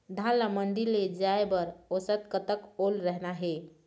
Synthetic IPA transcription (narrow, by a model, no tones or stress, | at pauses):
d̪ʱãnlamənɖ̪iɾled͡ʒaebəɾosət̪̚kət̪əkolɾəɦnaɦe